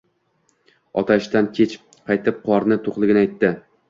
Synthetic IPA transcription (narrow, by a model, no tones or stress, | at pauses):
ɒt̪ʰaʃt̪ankʲʰet͡ʃ | qʰɑjt̪ʰɪp̚qʰɒɾnɪt̪ʰoqlˠɪɡʲɪnajt̪ːɪ